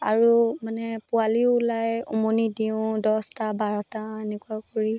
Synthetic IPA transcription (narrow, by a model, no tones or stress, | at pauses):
aɹumanɛpʊaliʊʊlajṵmonidiʊ̃dɔstabaɹɔtaenɛkuakoɹi